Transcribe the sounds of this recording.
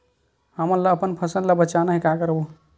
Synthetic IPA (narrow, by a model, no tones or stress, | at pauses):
ɦəmənlaəpənpʰəsənlabət͡ʃanaɦikakəɾbu